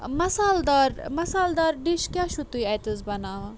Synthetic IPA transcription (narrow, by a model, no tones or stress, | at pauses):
mɐsaːld̪aːɾmɐsaːld̪aːɾɖiʃkjaːʃut̪uiɐjt̪uzbɐnaːʋɐ